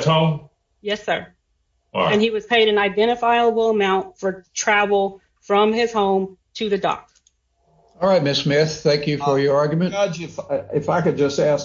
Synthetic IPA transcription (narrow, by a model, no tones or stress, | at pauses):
tõʊ̃m | jɛsə˞ | ɨ̃niwʌz̥pʰeɪɾɨ̃naɪdɛ̃ɾ̃ɨfaɪəbl̩ˠəmãʊ̃ntfə˞tʰɹ̥ævl̩ˠ | fɹʌ̃mɪz̥hõʊ̃mtʰɨðɨdɔ̰k̚ | ɔlˠɹaɪt̚mɪsmɪθθæ̃ŋkjɨfə˞jə˞ɑɹɡjmɨ̃nd͡ʒɪfaɪkɨd̚d͡ʒʌstæs